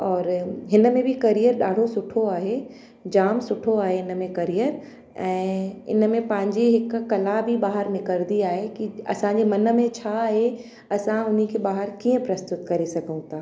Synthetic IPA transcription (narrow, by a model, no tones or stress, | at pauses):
ɔːɾɦɪn̆mẽbʱikɐɾijəɾɗaːɽ̤ʱosʊʈʰoaːɦe | d͡ʑaːmsʊʈʰoaːɦeɦɪn̆mẽkɐɾijəɾ | ɛ̃ːɪ̰nmẽpɐ̃ɦɪ̃ɲd͡ʑeɦɪkːɐlabʱiɓaːɦəɾmɪ̃kɐɾd̪iaːɦekiɐ̰sãɲd͡ʑemɐnə̆mẽt͡ɕʰaɦe | ɐsãʊn̤ikʰebaːɦəɾkiːə̃pɾɐst̪ʊt̪kɐɾesɐɡʱəũt̪ʰaː